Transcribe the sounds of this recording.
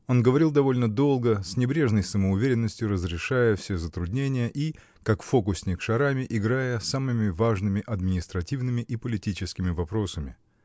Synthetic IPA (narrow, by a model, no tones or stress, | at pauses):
o̞nɡəvɐɾʲilˠd̪ɐvo̞lʲnəd̪o̞lˠɡəsʲnʲɪbɾʲe̞ʐnəjsəməʊvʲeɾʲɪnːəsʲtʲjʊɾəzɾʲɪʂajəfsʲe̞zət̪ɾʊd̪ʲnʲenʲɪjəʔi | kakfo̞kʊsʲnʲɪkʂɐɾamʲɪʔɪɡɾajəsamɨmʲɪvaʐnɨmʲɪʔɐd̪mʲɪnʲɪst̪ɾɐtʲivnɨmʲɪʔipəlʲɪtʲit͡ɕɪskʲɪmʲɪvɐpɾo̞səmʲɪ̰